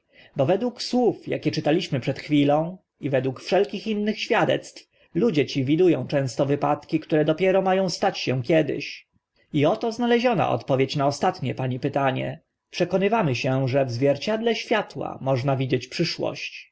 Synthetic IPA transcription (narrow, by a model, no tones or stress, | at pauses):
bɔvɛd̪wukswufja̰kʲɛt͡ʂɘt̪alʲiɕmɘpʂɛt̪xfʲilɔ̃w̃ | ivɛd̪wukfʂɛlkʲixinːɘxɕfʲjad̪ɛ̰t̪st̪f | lud͡ʑɛt͡ɕivʲid̪ujɔ̃w̃t͡ʂɛ̃w̃st̪ɔvɘpat̪kʲikt̪uɾɛd̪ɔpʲjɛɾɔmajɔ̃w̃st̪at͡ɕɕɛkʲɛd̪ɪ̰ɕ | iɔt̪ɔznalɛʑɔna̰ʔɔ̰t̪pɔvʲjet͡ɕnaɔst̪at̪ɲɛpaɲipɘt̪aɲɛ̰ | pʂɛkɔnɘvamɘɕɛʐɛvzvʲjɛɾt͡ɕad̪lɛɕfʲjat̪wa̰mɔʐnavʲid͡ʑet͡ɕpʂɘʂwɔ̰ɕt͡ɕ